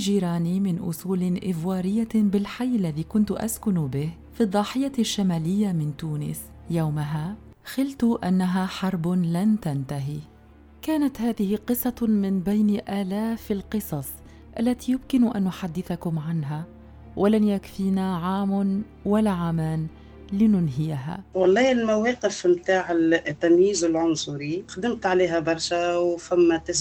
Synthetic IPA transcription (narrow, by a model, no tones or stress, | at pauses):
d͡ʒiːɾaːnimɪnʔʊ̰suːlɪʔɪvwɑːɾɪjːabɪlħajːʔlːaðiːkʊnt̪ʊʔa̰skʊnʊbɪh | fid̪ˤːɑːħɪjaʃːamaːlɪjːamɪnt̪uːnɪ̰s | jawmaɦaː | xɪlt̪ʊʔanːaɦaːħɑɾˤblant̪ant̪aɦi | kaːnat̪haːðɪhɪqɨsˤːɑmɪnbajnʔaːlaːfalqɨsˤɑsˤ | ʔa̰lːat̪ijʊmkɪnʔa̰nːʊħad̪ːɪθakʊmʕanɦa | wʔalanjakfiːnaʕaːmn | walːaʕaːmaːn | lɪnʊnɦɪjaɦa̰ːwɑlˤːɑːɪlmawæːqɪfmt̪aːʕɪt̪ːamjiːzɪlʕʊnsˤʊɾixd̪ɪmt̪ʕaleːɦabɑɾˤʃawfamːat̪ɪs